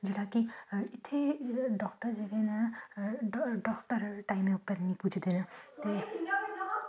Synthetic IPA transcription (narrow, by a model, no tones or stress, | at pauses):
d͡ʒeɽakiit̪ʰːeɖɔk̚ʈəɾd͡ʒeɡena | ɖɔkʈəɾʈajmeupəɾnipud͡ʒʱd̪enat̪e